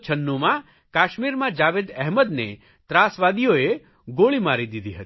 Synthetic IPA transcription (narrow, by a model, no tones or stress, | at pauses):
t͡ʃʰənːumã | kaʃmiɾmãd͡ʒaʋed̪ɛɦməd̪ne | t̪ɾasʋad̪ijoe | ɡoɭimaɾid̪id̪ʱiɦət̪i